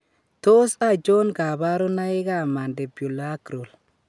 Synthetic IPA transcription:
to˦sa˦˨d͡ʒo˦nɡa˨ba˦ɾo˦na˦ɪ˦ɡa˦˨ma˨nde˨bju˨la˦kɾo˨l

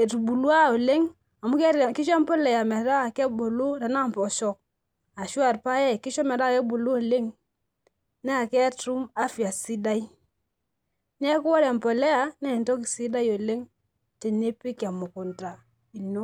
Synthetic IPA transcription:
e˨tu˨bu˨lu˦a˦o˨le˦ŋ | a˨mu˦kɛ˦ɾki˦ʃa˦mpɔ˦lɛ˨ja˨mɛ˨˦da˦˨kɛ˦bo˨lu˦ta˨na˦˨mpɔ˨ʃɔ˦k̚ | a˨ʃu˦a˨ɾpa˦jɛ˦˨ki˦ʃɔ˦mɛ˨ɾa˦˨kɛ˦bu˨lu˦o˨le˦ŋ | nɛ˦a˨kɛ˦tɾu˦ma˦fi˨a˨si˦da˦i˦ | nɛ˦ku˦wa˦ɾa˨mpɔ˨lɛ˦ja˦nɛ˦˨ntɔ˦ki˨si˦da˦jo˨le˦ŋ | te˨ne˦pi˦ka˨mu˨ku˨nta˨ | i˨no˦

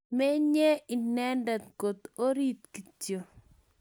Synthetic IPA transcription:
mɛ˦ɲɛ˦i˨nɛ˦nda˨t̪̚ɡo˨t̪o˦ɾi˦t̪ki˨tjo˨

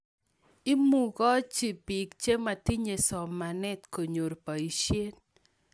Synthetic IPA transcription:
ɪ˦mu˨kɔ˦t͡ʃi˨pi˨kt͡ʃe˦ma˨ti˦ɲe˨sɔ˨mːa˨nɛ˦tko˨ɲo˨ɾpa˨i˨ʃje˦n

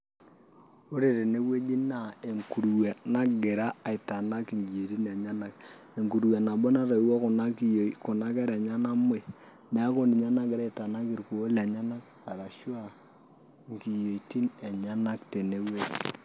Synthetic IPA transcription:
o˦ɾe˨te˨ne˦we˦d͡ʒi˦na˦˨e˨ŋku˨ɾwa˨na˦ɡɪ˨ɾa˦a˨ɪ˨ta˨na˦ki˨ŋɡi˨e˨ɾi˦na˨ɲa˦na˨k | e˨ŋku˨ɾwa˨na˨bɔ˦na˦ɾa˨˦wɔ˦kʊ˨na˦kkʊ˨na˦kɛ˦ɾɛ˨ɲa˦na˦m˦e˨ | nɛ˨a˦ko˦ni˨ɲa˦na˦ɡɪ˨ɾa˦ɪ˨ta˨na˦ki˨ɾku˨o˦lɛ˨ɲa˦na˦k | a˨ɾa˨ʃa˦˨ | ŋki˨jo˨i˨ti˦ne˨ɲa˦na˦kte˨ne˦we˦d͡ʒ

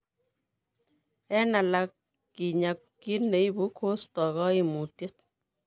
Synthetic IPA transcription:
ɛ˦na˨la˦kː | i˨ɲa˨kːi˦ne˨˦i˦bu˨˦kʰo˦stɔ˨ɣɔ˦i˨mu˨tje˦t̚

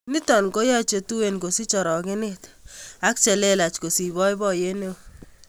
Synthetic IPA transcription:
nɪ˦tɔ˨nko˦ja˦t͡ʃe˨tu˦we˦nko˨si˦t͡ʃɔ˨ɾɔ˨kɪ˦nɪ˦t | a˦k̚t͡ʃɛ˨le˦la˨t͡ʃko˨si˨βɔ˦jbɔ˦je˦ne˦

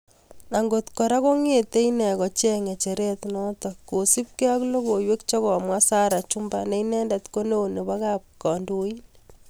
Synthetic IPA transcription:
na˨ŋɡo˨t̪kɔ˨ɾa˦ko˦ŋe˨t̪e˦inɛ˨kɔ˨t͡ʃɛ˦ŋe˨t͡ʃe˨ɾe˦t̪nɔ˦t̪ɔ˨kːo˨si˦p̚ke˦a˦klo˦ko˨jwe˦kt͡ʃɔ˦kɔ˨mwa˦sa˦ɾa˨t͡ʃu˦mba˦ne˦inɛ˦nda˨t̪ko˦ne˦o˨ne˨ba˦ka˦p̚kɔ˨ndo˨i˦n

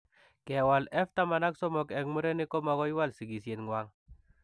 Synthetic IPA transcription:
kɛ˨wa˨lɛ˦ft̪a˦ma˨na˦ksɔ˦mɔ˨kɛ˨kmu˦ɾɛ˦ni˦kɔ˦ma˨ɣɔ˦jwa˦˨lsi˨ɡi˨sje˨nŋwa˦ŋ

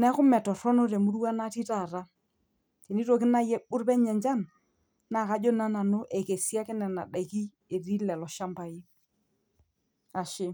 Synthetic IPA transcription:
nɛ˦kʊ˦mɛ˨tɔ˨ɾɔ˦nɔ˦ɾɛ˨mu˦ɾu˦wa˦na˦ti˦ta˦˨ɾa˦ | te˨ni˦ɾo˨kɪ˦na˦jɛ˨ɓʊ˦ɾpɛ˦ɲɛ˨ɲd͡ʒa˦˨n | na˨ka˨˦d͡ʒɔ˦na˦na˨no˦ʔe˨ke˨si˦a˦kɪ˦nɛ˨na̰˨da˨ki˦ | e˨ɾi˦lɛ˨lɔ˨ʃa˦mba˨jɪ˦ | a˨ʃɪ˦

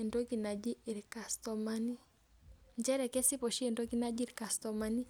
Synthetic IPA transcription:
ɛ˨ndɔ˦ki˨na˨d͡ʒi˦˨ɾika˨stɔ˨ma˦ni˦ | nd͡ʒɛ˦ɾɛ˨kɛ˦si˦pɔ˨ʃi˦ɛ˨ndɔ˦ki˦na˦d͡ʒi˦˨ɾi˨ka˨stɔ˨ma˨ni˦

